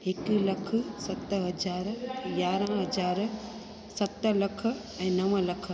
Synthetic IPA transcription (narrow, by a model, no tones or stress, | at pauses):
ɦɪklɐk̆ʰsɐt̪ɦɐd͡ʑaːɾjaːɾə̃ɦɐd͡ʒaːɾ | sɐt̪̆lɐkʰə̆ | ɛ̃ːnɐʋəlɐkʰə̆